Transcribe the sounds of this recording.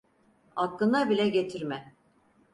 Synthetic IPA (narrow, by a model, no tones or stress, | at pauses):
aklɯnabilʲɛɟe̞t̪ʰiɾmɛ